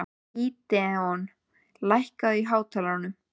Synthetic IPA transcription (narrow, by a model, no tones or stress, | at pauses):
it̪ɛɔn | lajhkaðiɦaːwt̪ʰalanːʏm